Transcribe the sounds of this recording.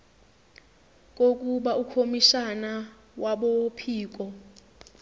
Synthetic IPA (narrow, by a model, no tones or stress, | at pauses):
k̬ʼok̬ʼuɓaukʰomiʃana | waɓɔpʰiːk̬ɔ